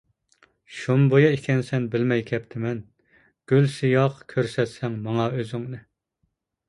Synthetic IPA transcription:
ʃombojɑekʲʰɛnsɛnbɪlmɛjkʲʰɛpt̪ʰɪmɛn | ɡ̥ʲylsijɑqkʲʰøɾsɛt̪sɛŋmɑŋɑøzyŋnɨ

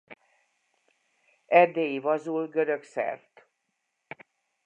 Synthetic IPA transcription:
ɛd̪ːeːjivɒzulɡøɾø̞ksɛ̰rt̪

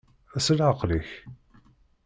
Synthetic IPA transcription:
æsəlʕəqliç

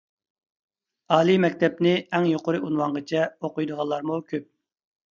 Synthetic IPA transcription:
ɑːlˠimɛk̚ʲt̪ʰɛpnɪɛŋjoqʊɾɨunwɑɴʁət͡ʃʰɛoqʊjd̪əʁɑlˠːɑɾmukʲʰøp̚

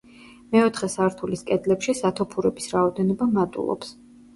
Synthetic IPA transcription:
mɛɔt̪ʰχɛsaɾt̪ʰuliskʼɛd̪lɛpʃisat̪ʰɔpʰuɾɛbisɾaɔd̪ɛnɔbamad̪ṵlˠɔ̰ps

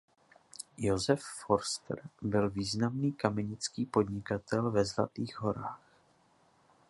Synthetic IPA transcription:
jo̞zɛfːoɾst̪rbɪlviːznamniːkamɛɲɪt͡skiːpo̞d̪ɲɪkat̪ɛlvɛzla̰t̪iːɣɦo̞ɾaːx

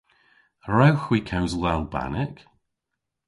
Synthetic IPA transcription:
ɹawxwikʰawzlˠalˠba̰nɪk

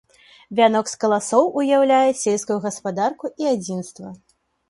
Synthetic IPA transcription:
vʲanɔkskɐlˠasɔwʔujawlʲajɛsʲelʲskujuɣɐspad̪arkuʔiad͡zʲinst̪vɐ

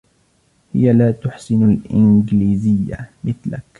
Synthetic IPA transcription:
hɪjalaːt̪ʊħsɪnalʔɪnɡliːzɪjːa̰mɪθlak

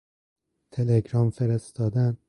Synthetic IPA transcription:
t̪ʰeleɡɾɒːmfeɾest̪ɒːd̪æn

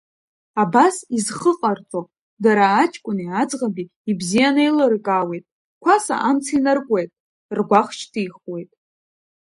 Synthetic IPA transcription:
abasizχəqʼart͡sʼo | daɾaːt͡ʃʼʰkʷʼʊniad͡zʁabiːbzijanejlɨrkʼawe̞jtʼ | kʷʰasa̰ʔamt͡sʰainarkʷʼejtʼ | rɡʷaχt͡ʃʰtʰijχwe̞jtʼ

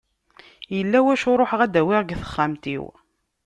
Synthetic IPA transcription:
jəlːæwæʃʊɾˤoħʁæd̪æwɪʁɡθə̥χːæmt̪ḭw

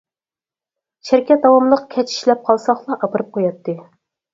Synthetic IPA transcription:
t͡ʃʰæɾkʲɛt̪̚d̪ɑwɑmlˠəq̚kʲʰɛt͡ʃʰi̥ʃlɛp̚qʰɑlˠsɑχlˠɑʔɑpɨɾɨp̚qʰojɑt̪ʰːɨ

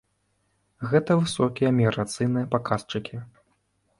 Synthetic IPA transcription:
ɣɛt̪ɐvɨsɔkʲijɐmʲiɣɾat̪sɨjnɨjɐpakast͡ʂɨkʲi

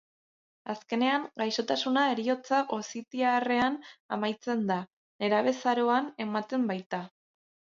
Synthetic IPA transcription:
aske̞ne̞aŋɡajso̞t̪asunae̞ɾio̞t͡saʔo̞sit̪iare̞anamajt͡se̞nd̪a | ne̞ɾaβe̞saɾo̞ane̞mat̪e̞mbajt̪a

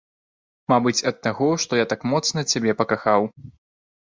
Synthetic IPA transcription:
mabɨt͡sʲɐt̪ːaɣɔʂt̪ɔjat̪akmɔt̪snɐt͡sʲabʲɛpɐkaxaw

